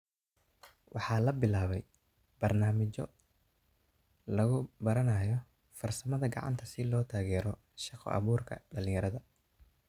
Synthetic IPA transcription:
wʔɑħɑːlɐbɪlaːβɛj | b̥ɐrnaːmɪt͡ʃɔ | lɐɣʊbɐɾɐnɐːjɔ | fɐrsɐmɐðɐɡɑ̰ʕɑ̰nt̪ʰɐsɪlɔːt̪ʰaːɣɛːɾɔ | ʃɑqʰɔ̰ʔɐ̰βuːrkʰɐ̰ɖɐlɪ̃ŋjɐɾɐðɐ

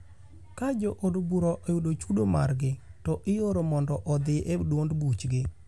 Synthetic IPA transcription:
kad͡ʒoʔodbuɾɔʔejudot͡ʃudoma̰rɡɪtɔʔɪjoɾomɔndɔʔɔd̪ɪʔedwondbut͡ʃɡɪ

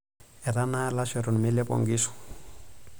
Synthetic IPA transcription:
ɛɾanalasɛɾɔnmɛlɛpɔ̰ŋɡisɔ̥

